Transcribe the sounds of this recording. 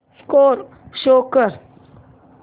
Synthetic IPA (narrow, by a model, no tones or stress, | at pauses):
skʼoɾ | ʃokaɾ